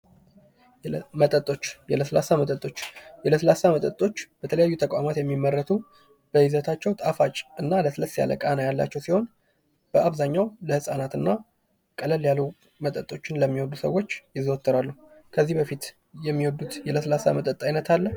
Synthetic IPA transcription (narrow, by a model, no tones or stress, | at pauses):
mət̪ʼət̪ʼːo̞t͡ʃːjɛləsəlasamət̪ʼət̪ʼo̞t͡ʃːjɛləsəlasamət̪ʼət̪ʼo̞t͡ʃːb̥ət̪ʰələjajːut̪ʰəkʼa̰mat̪jɛmːimːərːət̪ʰu | b̥əhizət̪ʰat͡ʃːɛwt̪ʼafat͡ʃʼɨnːaləsɨləsja̰lə̰kʼanəjalːa̰t͡ʃːɛwsiho̞n | b̥əaβzaɲːawləhɨsʼanat̪ɨnːa | kʼələljalːu | mət̪ʼət̪ʼːo̞t͡ʃːɪnləmːiwɔd̪ːusə̰wːo̞t͡ʃːjɪzəwt̪ʰːəɾalːu | kʰəzːihbəfit̪ | jɛmːiwɔd̪ut̪jɛləsəlasa̰mət̪ʼət̪ʼːajnət̪ʰalːə